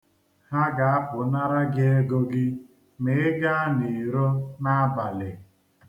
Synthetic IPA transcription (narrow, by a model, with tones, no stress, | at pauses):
ha˦ɡa˨a˦pʊ˨na˦ɾa˦ɡɪ˦e˦ɡo˦ɡɪ˦ | mɪ˨ɪ˦ɡa˦ni˨ɾo˦na˦ba˨lɪ˨